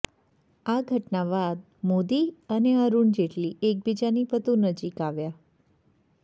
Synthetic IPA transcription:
aɡʱəʈnaʋad̪̚ | mod̪iəneəɾuɳd͡ʒeʈliek̚bid͡ʒanipət̪unəd͡ʒikaʋja

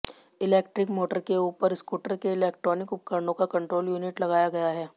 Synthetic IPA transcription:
ɪleːkʈɾɪkmoːʈəɾkeuːpəɾɪskuːʈəɾkeɪleːkʈɾɔːnɪkʊp̚kəɾɳõkakɐ̃ɳʈɾoːljuːnɪʈlɐɡaːjaɡɐjaɦɛː

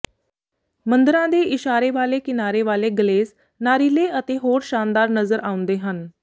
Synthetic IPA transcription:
mənd̪əɾãd̪eiɕaɾeʋalekinaɾeʋaleɡəleːs | naɾileət̪eɦoːɾɕand̪aɾnəzəɾʔaũnd̪eɦan

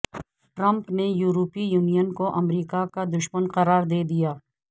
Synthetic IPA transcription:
ʈɾɐ̃mpnejuːɾoːpijuːnijənkoʔɐmɾiːkakad̪ʊʃmənqɐɾaːɾd̪eːd̪ijaː

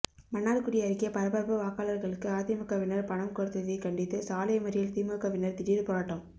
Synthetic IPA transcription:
mɐnːaːɽkɯɽɪjɐɾɪkːɪjɐpɐɾɐbɐɾpɯʋaːkaːlɐɾɣɐɭɯkːɯaːðɪmɯkːɐʋɪnɐɾpɐɳɐmkɔɾɯt̪ːɐðɐɪkɐɳɖɪt̪ːɯsaːlɐjɐmɐɾɪjɪlt̪imɯkɐʋɪnːɐɾt̪ɪɾiɾɯpɔɾaʈːɐm

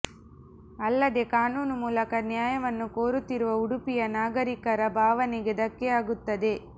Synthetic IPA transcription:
ɐlːɐd̪e̞kaːnuːnumuːlɐkɐnjaːjɐʋɐnːukoːɾut̪ːiɾuʋɐuɽupijɐnaːɡɐɾikɐɾɐbʱaːʋɐniɡed̪ɐkːeaːɡut̪ːɐd̪e̞

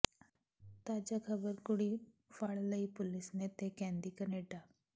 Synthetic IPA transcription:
t̪aːd͡ʒaːkʰəbəɾkʊɽiː | fʰaɭləiːpʊlɪsneːt̪eːkɛ̃ːnd̪iːkəneːʈaː

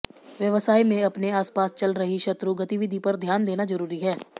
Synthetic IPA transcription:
ʋjəʋəsaːimẽɐpneaːspaːst͡ʃɐlɾəɦiʃɐt̪ɾuɡɐt̪iʋɪd̪ʱipɐɾd̪ʱjaːnd̪eːnazɐɾuːɾiɦɛː

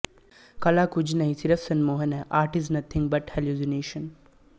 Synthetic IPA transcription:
kɐlaːkud͡ʒnɐɦisiɾɐfsɐnmoːɦɐnɛʔaːɾʈiznɐt̪ʰĩŋbɐʈhɛljuzineːʃən

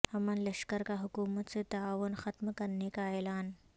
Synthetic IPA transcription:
hɐmənləɕkəɾkaɦukuːmət̪set̪ɐaːʋənxɐt̪məkɐɾnekaeːlaːn

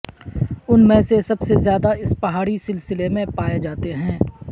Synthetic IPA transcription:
ʊnmɛ̃ːsesɐbsezjaːd̪aɪspɐɦaːɽisɪlsɪlemẽpaːjed͡ʒaːt̪eɦɛ̃ː

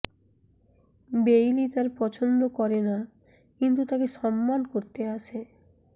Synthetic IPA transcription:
bejlit̪aɾpɔt͡ɕʰond̪okɔɾena | kint̪ut̪akeʃɔmːankoɾt̪eaʃʰe

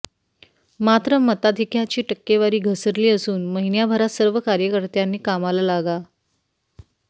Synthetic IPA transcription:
mat̪ɾəmət̪ad̪ʱikjat͡ɕiːʈəkːeʋaɾiːɡʱəsəɾliːəsuːnməɦinjabʱəɾasəɾʋəkaɾjəkəɾt̪janːiːkamalalaɡa

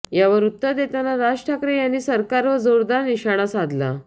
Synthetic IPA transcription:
jaʋəɾut̪ːəɾd̪et̪anaɾad͡ʑʈʰakɾejanːiːsəɾkaɾʋəd͡zoɾd̪aɾniɕaɽ̃asad̪la̰

